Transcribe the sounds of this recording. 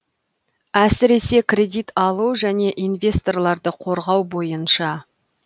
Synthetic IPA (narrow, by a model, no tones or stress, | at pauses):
æsɪɾe̞se̞krʲe̞d̪ijt̪ɑlˠuʒæne̞ʔinvʲe̞st̪o̞rlˠɑɾd̪əqʰo̞ɾʁɑwbo̞jənʃɑ